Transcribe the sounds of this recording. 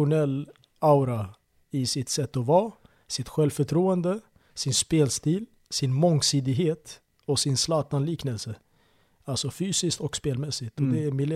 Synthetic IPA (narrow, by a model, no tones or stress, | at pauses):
ʊnɛlː | aʊɾa | ɪsɪt̪sɛt̪ːɔvɑː | sɪt̪ɧɛlvfœʈʰɾuːənd̪ə | sɪnspeːlst̪iːl | sɪnmɔŋsiːd̪ɪɡɦeːt̪ | ɔsɪnslɑːt̪anliːknəlsə | alsɔfyːsɪskt̪ɔkspeːlmɛsːɪt̪ɔd̪ɛæmɪl